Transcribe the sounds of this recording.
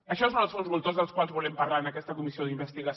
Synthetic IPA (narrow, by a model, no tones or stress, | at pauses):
əʃɔsonsõnlˠzβulˠt̪ozðəlˠskwalˠzβulɛmpəɾlanəkɛst̪əkumisioðimbəst̪iɣəs